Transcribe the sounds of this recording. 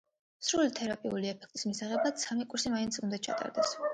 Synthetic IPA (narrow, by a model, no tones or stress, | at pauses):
sɾulit̪ʰɛɾapʼiuliɛpʰɛ̥k̚ʰt̪ʼi̥smisaʁɛbat̪samikʼuɾsimaint̪sʰʼund̪at͡ʃʰa̰t̪ʼa̰ɾd̪ɛs